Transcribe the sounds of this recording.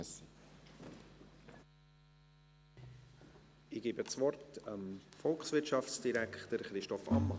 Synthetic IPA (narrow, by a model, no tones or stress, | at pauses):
si | ɪɡ̥iːbət͡svɔrtəmfɔlksvɪɾtʃɑft͡sd̥iɾækχtəɾχɾɪʃtɔfɑ̰mːɑ